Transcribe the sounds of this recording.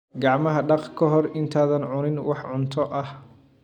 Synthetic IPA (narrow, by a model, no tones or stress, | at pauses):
ɡɑʕmɐɦɐɖɑqkʰɔɦɔrɪnt̪ʰaːðɐnʕʊnɪnwɑħʕʊnt̪ʰɔʔɐh